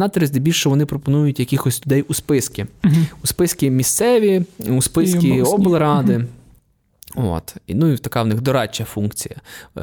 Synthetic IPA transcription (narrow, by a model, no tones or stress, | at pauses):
nɑt̪ɛɾezʲd̪ɪbʲilʲʃɛʋɔnɪpɾɔpɔnujʊtʲjɐkɪxɔsʲlʲʊd̪ɛjuspɪskʲiʊspɪskʲimʲist̪sɛʋʲiuspɪskkʲiɔblˠɐɾɑd̪ɪ | o̰t̪inuit̪ɐkɑwnɪxd̪ɔɾɑt͡ʃːɐfunkt͡sʲijɐ̰